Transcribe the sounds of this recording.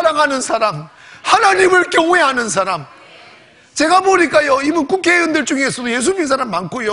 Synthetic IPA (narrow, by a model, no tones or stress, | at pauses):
ɾaŋɦanɯnsʰaɾam | hanaɲimɯɭk͈jʌŋueɦanɯns̬ʰaɾam | t͡ɕe̞ɡaboɲik͈ajoimɯnkukʰeɯndɯɭt͡ɕ͈uŋiesʰʌdoje̞s̬ʰubins̬ʰaɾamːankʰojo